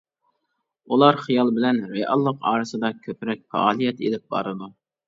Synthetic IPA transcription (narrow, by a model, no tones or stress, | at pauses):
ulˠɑɾχijɑlˠbɪlɛnɾeʔɑlˠːəqɑ̰ːɾɨsɨd̪ɑkʲʰøpɾɛk̚ʲfɛ̰ɑːlˠijɛt̪ḛlɪp̚bɑ̰ɾɨd̪u